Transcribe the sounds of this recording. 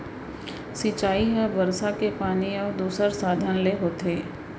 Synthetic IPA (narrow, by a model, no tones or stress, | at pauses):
sit͡ʃaːiɦɛʋɐɾsakepaːniɔːɾd̪uːsəɾsaːd̪ʱənleɦoːt̪eː